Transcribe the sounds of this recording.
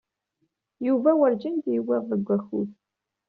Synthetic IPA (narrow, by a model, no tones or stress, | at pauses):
juvɐwɐrd͡ʒɐndiːwɐʁðəɡʷɐxṵθ